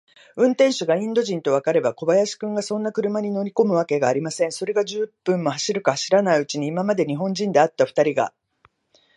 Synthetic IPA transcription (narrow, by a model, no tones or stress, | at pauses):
ɯ̟̃nt̪ẽ̞ɰ̃ɕɨɡaĩnd̪o̞ʑĩnt̪o̞β̞akaɾe̞bako̞bajaɕi̥kɯ̟̃ŋɡasõ̞nːakɯ̟ɾɯ̟maɲ̟ino̞ɾʲiko̞mɯ̟βake̞ɡaːɾʲimasẽɰ̃so̞ɾe̞ɡad͡ʑɨpːɯ̟̃mːo̞haɕiɾɯ̟kahaɕiɾanaiɯ̟t͡ɕiɲ̟iːmamad̪e̞ɲ̟iɦõ̞ɲ̟d͡ʑĩnd̪e̞at̪ːaɸɯ̟̥t̪aɾʲiɡa̰